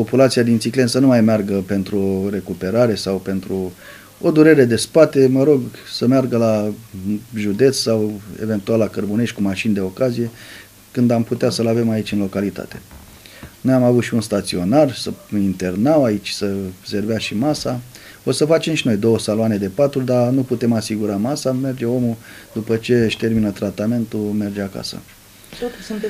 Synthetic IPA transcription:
po̞pulat̪siad̪int̪sikle̞nsənumajmearɡəpe̞nt̪ɾuoɾe̞kupe̞ɾaɾe̞sawpe̞nt̪ɾu | o̞d̪uɾe̞ɾe̞d̪e̞spat̪e̞məɾo̞ɡsəmearɡəla | ʒud̪e̞t̪ssawe̞̰ve̞nt̪ualakərbune̞ʃʲkumaʃind̪e̞o̞kazije̞ | kɨnd̪amput̪easəlave̞mait͡ʃʲɨnlo̞kalit̪a̰t̪e̞̥ | nojamavut̪ʃiunst̪at̪sio̞narsəint̪e̞rnawait͡ʃʲsəze̞rveaʃimasa | o̞səfat͡ʃe̞mʃino̞jd̪o̞wəsaloane̞d̪e̞pat̪ud̪anuput̪e̞masiɡuɾamasame̞rd͡ʒe̞o̞mud̪upət͡ʃe̞ʃt̪e̞rminət̪ɾat̪ame̞nt̪ume̞rd͡ʒeaka̰sə̰

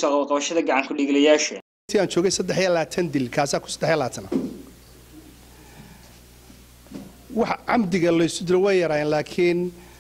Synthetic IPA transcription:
sɔqɑβɐlqɑβɐʃɐðɐɡɑʕɑŋkʰʊɖɪɣlɐjaːʃɐ | t̪ʰiːaːnt͡ʃʰɔːɣɛjsɐd̪ɛħjiɐlaːt̪ʰɐnd̪ɪlkʰaːsaːkʰʊ̥sɐ̥d̪ɛħjɐlaːt̪ʰɐnɐ | wɑħʕɑmd̪ɪɣɐlɔɪsʊd̪ɪlɛwɛjjɐɾaːɛːnlaːkʰin

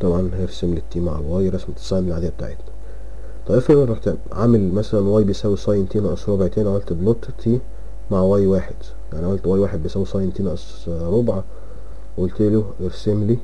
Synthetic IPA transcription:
t̪ˤɑbʕɑnhæeɾsemlit̪ːiːma̰ʕlwæːjɾˤɑsmet̪e̥sˤamelʕad̪ejːæbet̪a̰ʕet̪næ | t̪ˤɑbʔefeˤɑħt̪ænʕamælmæsælænwæːjbejsæwːisˤɑjent̪iːnæʔsɾˤobʕt̪æːniʕamælt̪blot̪ˤːt̪ʰi | maʕwæːjwaːħed̪̥ | jaʕniʕamælt̪wæːjwaːħed̪̚bejsæwisˤɑjent̪iːnɑʔs | ɾˤobʕa | ʔolt̪eloʔeɾsemli

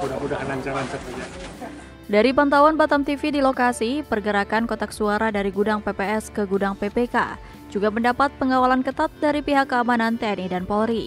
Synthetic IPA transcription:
udaudanaɲt͡ʃaɾaɲt͡ʃaud͡ʒa | daɾipant̪awanbat̪amt̪ifidilokasipərɡəɾakankɔt̪aksuaɾadaɾiɡudaŋpepeɛskəɡudaŋpepeka̰ | d͡ʒuɡaməndapat̪̚pəŋawalankət̪at̪̚daɾipiɦakːəamanant̪eɛnidanpɔɾi

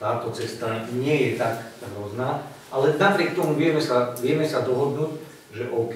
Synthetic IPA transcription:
t̪aːt̪ɔt͡sɛst̪aɲɪɛjɛt̪akɦɾʊɔznaː | ʔalɛnapɾɪɛk̚t̪ɔmuʋɪɛmɛsaʋɪɛmɛsad̪ɔɦɔd̪nuːc | ʒɛʔɔʊk

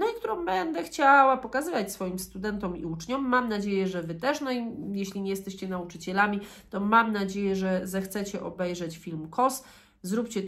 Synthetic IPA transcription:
nɔik̚t̪uɾɔ̃w̃bɛnd̪ɛxt͡ɕawapɔkazɘvat͡ɕʲsfɔjimst̪ud̪ɛnt̪ɔmḭut͡ʂɲɔmːamnad͡ʑejɛʐɛvɘt̪ɛʂnɔijeɕlʲiɲɛjɛst̪ɛɕt͡ɕɛnaut͡ʂɘt͡ɕɛlamʲi | t̪ɔmamnad͡ʑejɛʐɛzɛxt̪sɛt͡ɕɛʔɔbɛjʐɛt͡ɕfʲilmkʰɔs | zɾupt͡ɕɛ

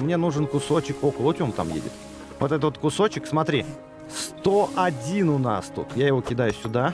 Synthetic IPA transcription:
mnʲe̞nuʐɨnkʊso̞t͡ɕɪko̞kəlˠʊtʲomt̪a̰mjḛdʲɪ̰t̪ | vot̪ɛt̪vot̪kʊso̞t͡ɕɪksmɐt̪ɾʲi | st̪oʔɐdʲinʊna̰st̪ut̪jajɪvo̞kʲɪd̪ajʊsʲʊd̪a

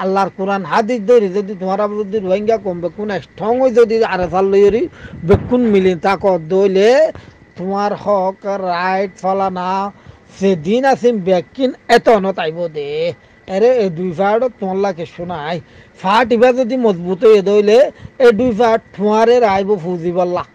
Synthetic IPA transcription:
alːaɾkuɾanɦad̪isd̪ojlezod̪it̪ʊãɾabɔzɔd̪iɾuɔŋɡakɔmbekːunɛkʈʰɔŋojzod̪iaɾesalːojoɾibekːunmilint̪akɔt̚d̪ojle | t̪ʊmaɾhɔkɾajʈfalana | sed̪inasinbɛkːinɛt̪ɔnɔt̪ajbɔd̪e | ɛɾeeɖujfaʈɔt̪ːʊmalːakeʃunaj | fʰaʈibazod̪imɔzbut̪ojed̪ojleːɖujfaʈ̚t̪ʊaɾeɾajbɔfuziβalːa

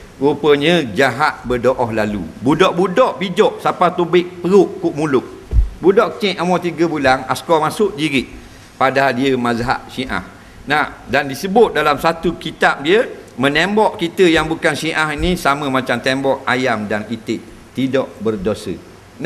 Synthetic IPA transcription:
ɣupəɲəd͡ʒaɦat̪̚bədoʔɔhlalṵbudɔʔbudɔʔbid͡ʒɔʔsapat̪ubɪk̚pəɾʊʔkːuʔmulʊk̚ | budɔʔkə̥t͡ʃĩʔʔamɔt̪iɡəbulanaskɔmasʊʔd͡ʒiɾɪʔ | padadiəmãzɦa̰ʔʃiʔa̰h | nahdandisəbʊt̪̚dalamsat̪ukit̪ap̚diəmənembɔʔkit̪əjaŋbukanʃiʔaɦinisaməmat͡ʃamt̪embɔʔajamdanit̪ɪʔ | t̪idɔʔbərdosə̰ | n

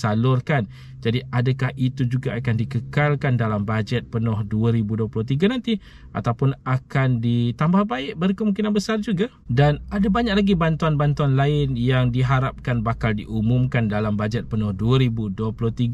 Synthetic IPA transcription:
salʊrkan | d͡ʒadiʔadakahʔit̪ud͡ʒuɡaakandikəkalkandalambad͡ʒɛt̪̚pənʊhduaɾibuduəplʊht̪iɡanãnt̪i | ʔa̰t̪awpʊnakandit̪ambahbaɪʔbərkəmũŋk̬inanbəsard͡ʒuɡa | danadabaɲaʔ̚laɡibant̪uanbant̪uanlaɪnjaŋdiɦaɾap̚kanbakaldḭʔumʊ̃mkandalambad͡ʒɛt̪̚pənʊhduaɾibuduəplʊht̪iɡ

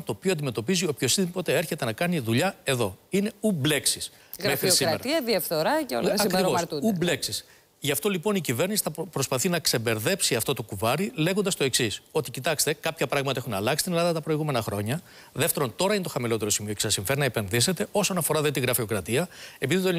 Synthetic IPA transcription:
t̪o̞ːpioɐnd̪ime̞t̪o̞pizio̞pço̞siðpo̞t̪ee̞ɾçe̞t̪e̞nɐkɐniðuʎɐe̞ðo̞ine̞uble̞ksis | ɣmfxɾisiɾmeɾɐɐðiɐfθoɾɐcolɐkɾɾivot̪uubleksis | ʝɐft̪o̞lipo̞nicive̞ɾnisi̥θɐpɾo̞spɐθinɐksebe̞ɾðe̞psiɐft̪o̞t̪okuvɐɾile̞ɣond̪ɐst̪o̞e̞ksiso̞t̪icit̪ɐkst̪e̞kɐpçɐpɾɐɣmɐt̪ɐe̞xunɐlɐksi̥st̪ine̞lɐðɐt̪ɐpɾo̞iɣume̞nɐxɾo̞ɲɐ | ðe̞ft̪e̞ɾo̞nt̪o̞ɾɐinet̪oxɐmilo̞t̪e̞ɾo̞simio̞cesɐsiɱfeɾinɐepe̞nðis̬e̞t̪e̞o̞so̞nɐfo̞ɾɐðet̪iɣɾɐfio̞kɾɐt̪iɐe̞piðit̪o

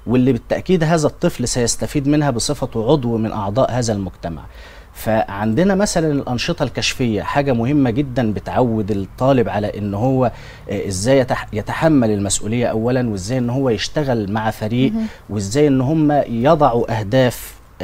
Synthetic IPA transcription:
welːibɪt̪ːæʔkiːd̪ɦæːzæt̪ˤːɨflsæjæst̪æfiːd̪mɪnɦæbɨsˤɨfɑʕod̪ˤwmɪnʔɑʕd̪ˤɑːʔhæːzælmʊɡt̪æma̰ʕ | fæʕand̪ɪnæmæsælænelʔɑnʃɨt̪ˤɑlkæʃfejːæ̰ħaːɡæmʊhɪmːæɡed̪ːænbɪt̪ʕawːed̪ɪt̪ˤːɑːlɪbʕalæʔɪnːhowːæ | ʔɪzːæːjːæt̪jæt̪aħamːælɪlmæsʔṵːlɪjːæʔæwːælænweʔɪzːæːjʔenːʊhowːæjeʃt̪æɣælmaʕafæɾiːʔwʔezːæːjʔenːʊɦomːæjɑd̪ˤɑʕuʔæhd̪æːf

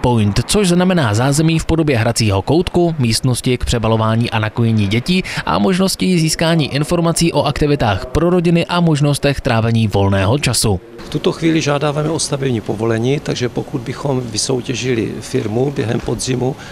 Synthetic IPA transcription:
pojnt̪t͡so̞ʒznamɛnaːzaːzɛmiːfpo̞do̞bjɛɦɾat͡siːɦo̞ko̞wt̪kumiːst̪no̞scɪkpr̥ɛbalo̞vaːɲiːʔanakojɛɲiːɟɛciːʔa̰mo̞ʒno̞sciziːskaːɲiːʔɪnfo̞ɾmat͡siːʔo̞ʔakt̪ɪvɪt̪aːxpɾo̞ɾo̞ɟɪnɪʔamo̞ʒno̞st̪ɛxt̪ɾaːvɛɲiːvo̞lnɛːɦo̞t͡ʃasu | ft̪ut̪oxviːlɪʒaːdaːvamɛʔo̞st̪avɪbɲiːpovo̞lɛɲiːt̪aɡʒɛpokud̪̚bɪxomvɪso̞wcɛʒɪlɪ̰fɪɾmubjɛ̰ɦɛmpod̪zɪmu

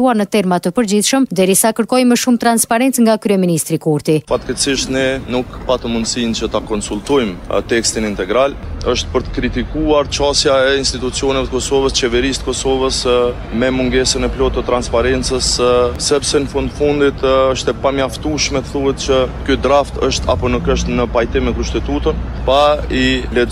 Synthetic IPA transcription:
uaɾnət̪ɛɾmat̪əpəɾd͡ʑiθʃəmd̪ɛɾisakəɾkɔjməʃumt̪ɾanspaɾɛnt͡sŋɡakɾyɛminist̪ɾikuɾt̪ifat̪kɛsiʃt̪ninukpat̪əmund̪sint͡ʃət̪akɔnsult̪ɔjmt̪ɛkst̪inint̪ɛɡɾaləʃt̪̚pəɾt̪ə̥kɾit̪ikuaɾt͡ʃasjaɛinst̪it̪ut͡siɔnɛvɛt̪əkɔsɔvəst͡ʃɛvɛɾist̪əkɔsɔvəs | mɛmuŋɡɛsənɛplɔt̪ːət̪ɾanspaɾɛnt͡səsːɛpsɛnəfund̪əfund̪it̪əʃt̪ɛpamjaft̪uʃmɛt̪əθuɦɛt̪t͡ʃəkyd̪ɾaft̪əʃt̪ʰa̰pɔnukəʃt̪nəpajt̪imːɛkuʃt̪ɛt̪ut̪ən | pailɛ

